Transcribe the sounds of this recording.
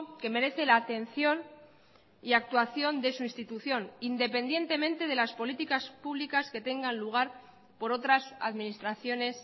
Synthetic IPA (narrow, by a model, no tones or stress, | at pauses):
ke̞me̞ɾe̞θe̞laːt̪e̞n̟θjo̞n | iak̚t̪waθjo̞nd̪e̞suinst̪it̪uθjo̞nind̪e̞pe̞nd̪je̞nt̪e̞mẽ̞nt̪e̞ð̞e̞laspo̞lit̪ikaspuβlikaske̞t̪e̞ŋɡanluɣ̞aɾ | po̞ɾo̞t̪ɾasa̰ðminist̪ɾaθjo̞ne̞s